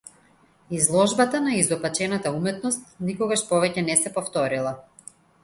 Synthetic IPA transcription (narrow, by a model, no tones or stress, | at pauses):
izlˠɔʒbat̪anaizd̪ɔpat͡ʃɛnat̪aumɛt̪nɔst̪nikɔɡaʃpɔvɛcɛnɛsɛpɔft̪ɔɾilˠa